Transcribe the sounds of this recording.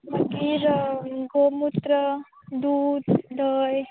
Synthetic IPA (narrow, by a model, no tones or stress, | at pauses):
maɡiɾɡomut̪ɾə | d̪uːd̪d̪əj